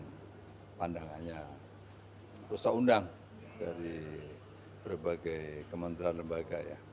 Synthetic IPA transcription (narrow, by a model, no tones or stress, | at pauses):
pandaŋanɲa | rusakundaŋ | daɾi | bərbaɡajkəmənt̪ɾanləmbaɡaja̰